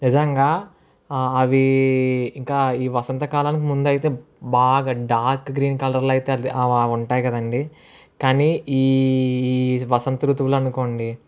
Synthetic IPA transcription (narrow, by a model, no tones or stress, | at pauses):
nid͡ʒɐŋɡaː | ɐʋi | iŋkaːiːʋɐsɐnt̪ɐkaːlaːnik̬imund̪ɐjt̪e̞ː | baːɡaːɖaːɾkɡɾiːnkɐlɐɾlɐjt̪eːɐɐuɳʈaːjikɐd̪ɐɳɖi | kaːniːiː | ʋɐsɐnt̪ɾut̪ʋulɐnuko̞ːɳɖi